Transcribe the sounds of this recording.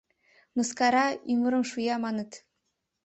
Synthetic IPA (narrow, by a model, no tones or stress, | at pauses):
mɤ̆skɑɾɑiŋɤ̆ɾɤ̆mʃujɑmɑnɤ̆t̪